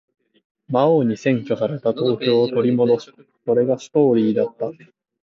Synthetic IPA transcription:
maoɲ̟isẽ̞ŋkʲo̞saɾe̞t̪at̪o̞ːkʲo̞ːt̪o̞ɾʲimo̞d̪o̞si̥ | so̞ɾe̞ɡasɨ̥t̪o̞ːɾʲiːd̪at̪ːa

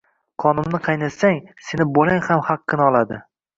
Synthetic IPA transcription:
qʰɒnɪmnɪqʰɑjnasaŋsenɪbolaŋhamhɑqːɨnɒlˠad̪ɪ

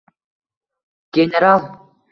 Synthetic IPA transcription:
ɡ̥ʲenʲeɾalˠ

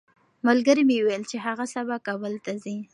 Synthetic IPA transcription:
malɡəɾimewejlt͡ʃeɦaɣasabakabəlt̪azi

